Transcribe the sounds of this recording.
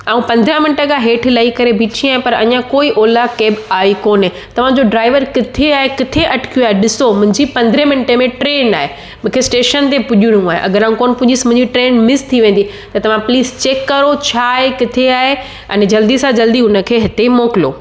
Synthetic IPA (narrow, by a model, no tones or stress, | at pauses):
aːũpɐ̃nd̪ʱɾəmɪnɪʈə̃kaɦeːʈʰlɐikɐɾebʱiːt͡ɕʰĩaːɦẽpɐɾɐ̰ɲãkoːiʔoːlakeːbaːikoːnɦẽ | t̪ɐʋ̤ãd͡ʑoɖɾaːɪʋəɾkɪt̪ʰeaːɦekɪt̪ʰeʔɐʈʰɪ̥kʰijuaːɦeɗɪsomʊ̃ɦɪ̃ɲd͡ʑipɐ̃nd̪ʱɾemɪnɪʈemẽʈɾeːnaːɦe | mũːkʰesʈeːʃənt̪epʊʄuɽũaːɦḛʔɐ̰ɡəɾaːɦũkoːnpʊʄismʊ̃ɦɪ̃ɲd͡ʑiʈɾeːnmɪst̪ʰiʋẽːn̆d̪i | t̪ɐt̪ɐʋ̤ãpliːzt͡ɕeːkːɐɾot͡ɕʰaːɦekɪt̪ʰeaːɦe | ɛ̃nd͡ʑɐld̪isãd͡ʑɐld̪iʊnəkʰeːɦɪt̪emoːkɪlo̰ː